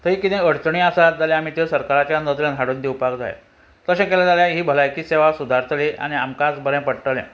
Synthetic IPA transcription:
t̪əɦiːkit̪ẽəɽt͡sɳĩasat̪d͡zalẽam̤iːt̪esəɾkaɾat͡ɕjanəd̪ljãd̪ʱaɽund̪iwpakd͡za̰j̰ | t̪əɕẽkɛlad͡zaljaɦiːbʱəlajkiːseʋasud̪ʱaɾt̪ʰleʔa̰ñia̰mkad͡zbʱəɾɛ̃pəɽʈəlɛ̰̃

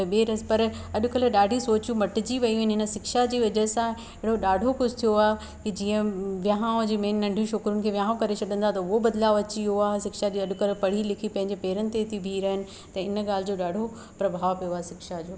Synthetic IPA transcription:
ɓeːɾɐspɐɾɐɗʊkəlɗaːɖʱisoːt͡ɕjũmɐʈɪd͡ʑiʋɐiɐɦɪnɪɦɪnə̆sɪkʃad͡ʑiːʋɐd͡ʑɐːsã | ɪɦɪɽoɗaːɖʱokʊd͡ʑʰɪt̪ʰijoaːɦ | kid͡ʑiːə̃ʋjaɦãd͡ʑeːmeːnːɐ̃ɳɖʱjũʃoːkɾʊnɪ̆kʰeːʋjaːɦõkɐɾet͡ɕʰɐɗə̃nd̪at̪ɐʊɦobɐd̪laːʋɐt͡ɕiɦoaːsɪkʃad͡ʑiːɐɗʊkɐlpɐɽ̤ilɪkʰipɐ̃ɦɪ̃ɲd͡ʑepɛːɾənɪ̆t̪et̪ʰibʱiɾɐɦɪnɪ̆ | t̪ɐɪnɠaːl̤ɪd͡ʑoːɗaːɖʱo | pɾɐbʱaːʋpijoaɦesɪkʃad͡ʑoː

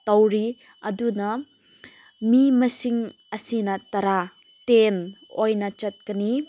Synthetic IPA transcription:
tɐwɾi | ɐdunɐ | mimɐsiŋ | ɐsinɐtɐɾa | tenojnɐt͡ʃɐt̚kɐni

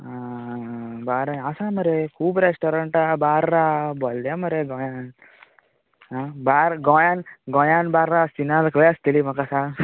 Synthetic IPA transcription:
a | baːɾaasamɐɾekʰuːbɾesʈoɾɐɳʈabaːɾːabɔljamɐɾeɡɔ̃jan | abaːɾɡɔ̃janɡɔ̃janbaɾɾasinalkəjɐst̪ilimɐkasa

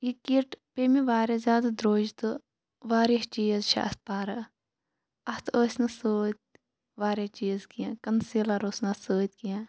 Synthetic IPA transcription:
jikiɾʈpeːmiʋaːɾezʲaːd̪ad̪ɾoːd͡ʒt̪ɨ | ʋaːɾiɦt͡ʃiːzʃa̰ːst̪̚paːɾɐ | ɐst̪oːsʲnɐsoːt̪̚ʲ | ʋaːɾeht͡ʃiːzkijãkɐnsiːlɐɾoːsnɐsoːt̪ʲkijã

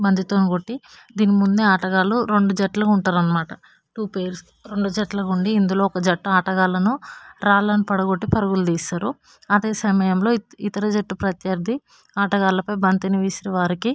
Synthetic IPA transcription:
bɐnd̪it̪oːniɡo̞ʈːi | d̪iːnimund̪eaːʈɐɡaːluɾe̞ɳɖud͡ʒɐʈlɐkuɳʈaːɾɐnːɐmaːʈɐ | ʈuːpejɾs | ɾe̞ɳɖud͡ʒɐʈlɐkuɳɖiːnd̪ulo̞ːkɐd͡ʒɐʈːɐaːʈɐɡaːlɐnuɾaːlɐnipɐɽɐɡo̞ʈːipɐɾɐɡuld̪iːsaːɾu | ɐd̪e̞ːsɐmɐjɐmlo̞ːit̪ɐɾɐd͡ʒɐʈːupɾɐt̪jɐɾd̪ʱi | aːʈɐɡaːlɐpɐjbɐnt̪iniʋiːsiɾɐʋaːɾiki

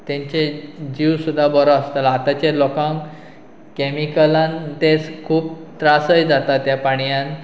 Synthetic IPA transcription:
t̪jãɲt͡ɕed͡ʑiwsud̪ʱːabɔɾɔast̪alat̪at͡ɕelɔkãŋ | kɛmikəlãnt̪et͡skʰuːp̚t̪ɾasəjd͡zat̪at̪ːjapaɽ̃ijãn

